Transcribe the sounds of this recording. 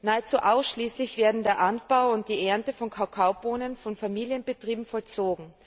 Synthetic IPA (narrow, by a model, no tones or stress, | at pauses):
naːət͡suːʔaʊsʃliːslɪçv̥eːɐdn̩deːɐʔant̚b̥aʊʊnt̚d̥iːʔɛɐntəfɔnkʰaʊkʰaʊboːnənfɔnfamiːljənbətʁ̥iːbm̩fɔlt͡soːɡŋ̩